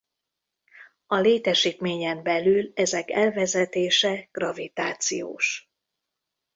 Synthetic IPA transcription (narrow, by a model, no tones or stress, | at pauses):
ɒleːt̪ɛʃiːt̪meːɲɛmbɛlylɛzɛkɛlvɛzɛt̪eːʃɛɡ̥rɒvit̪aːt̪sijo̰ːʃ